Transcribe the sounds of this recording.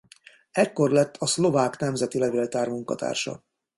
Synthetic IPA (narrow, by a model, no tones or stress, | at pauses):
ɛkːo̞rlɛt̪ʰːɒslo̞vaːknɛmzɛt̪ilɛveːlt̪aːrmuŋkɒ̰t̪ʰa̰ːrʃɒ̰